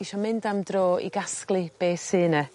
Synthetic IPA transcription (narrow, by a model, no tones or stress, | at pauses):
iʃɔmɪndamdroːḭɡasklˠɨb̥eːsɨːnə